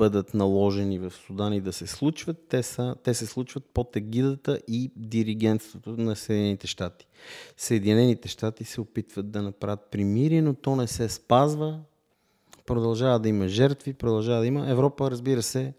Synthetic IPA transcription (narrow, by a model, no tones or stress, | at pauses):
b̥ɤd̪ət̪nɐlˠɔʒɛnivɐfsud̪anid̪ɐsɛslˠut͡ʃvət̪ːɛsət̪ɛsɛslˠut͡ʃvət̪̚pot̪ɛɡid̪ət̪əʔid̪iɾiɡ̟ɛnt̪st̪vot̪onɐsɛd̪inɛnit̪ɛʃt̪at̪i̥səɛd̪inɛnit̪ɛʃt̪at̪isɛopit̪vət̪̚d̪ɐnɐpɾavət̪̚pɾimiɾinot̪ɔnɛsɛspazvə | pɾod̪ɐlˠʒavəd̪ɐiməʒɛɾt̪vipɾod̪ɐlˠʒavəd̪ɐiməɛvɾɔpəɾɐzbiɾəsɛ